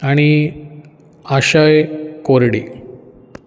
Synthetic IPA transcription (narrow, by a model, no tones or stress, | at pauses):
aɽ̃i | aɕajkoɾɽḭ